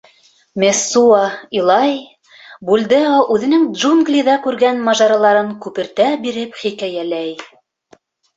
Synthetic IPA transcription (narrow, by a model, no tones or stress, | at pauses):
mʲesːuɑilˠɑj | bulʲd̪ɘɑʔʉðɘ̆nɘŋd̪ʒuŋɡlʲiðɑkʉɾɡænmɑʒɑɾɑlˠɑɾɤŋkʉpɘ̆ɾt̪æbiɾɘpχikæjælæj